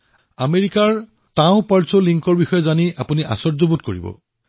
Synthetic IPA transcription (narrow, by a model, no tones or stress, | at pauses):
ameɹikaɹ | tãʊ̃paɹsoliŋkɔɹbixɔjɔzaniʔapuniʔa̰sɔɹzobutkoɹḭbɔ̰